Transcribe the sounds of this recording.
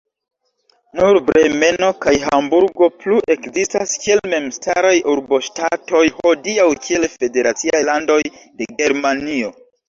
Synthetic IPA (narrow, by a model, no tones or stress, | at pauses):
nuɾbɾeme̞no̞kajɦambuɾɡo̞pluʔe̞kzistaskie̞lme̞mstaɾajuɾbo̞ʃtato̞jho̞diawkʰie̞lfe̞de̞ɾat͡siajlando̞jde̞ɡe̞ɾmanio̞